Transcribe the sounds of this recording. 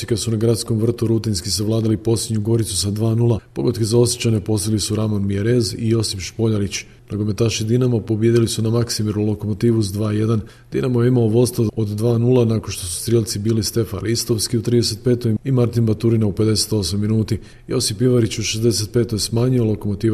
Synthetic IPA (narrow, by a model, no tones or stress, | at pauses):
ikad̪sunaɡɾat̪sko̞mʋr̩t̪uɾut̪inskisaʋlˠaːd̪alipo̞slʲedɲuɡo̞ɾit̪susad̪ʋaːnulˠapo̞ɡod̪kezao̞sjet͡ɕane̞po̞slilisuɾamanmijeɾezḭjo̞sipʃpo̞ʎaɾit͡ɕ | naɡo̞me̞t̪aʃid̪inamapo̞bjed̪ilisunamaksimiɾnulo̞ko̞mo̞t̪iːʋuzd̪ʋaːje̞d̪an | d̪̥inamojeimaoʋo̞st̪aod̪ːʋaːnuːlˠanakonʃt̪o̞su̥st̪ɾjelˠt̪sibiːlist̪e̞fanlist̪o̞ʋskiut̪ɾid̪ese̞t̪̚pe̞ːt̪o̞jimaɾt̪inbat̪uɾinaupe̞d̪e̞se̞̥t̪o̞smamːinuːt̪i | jo̞sipːiʋaɾit͡ɕuʃezd̪e̞se̞t̪̚pe̞ːt̪o̞jsmaːɲio̞lˠo̞ko̞mo̞t̪iːʋ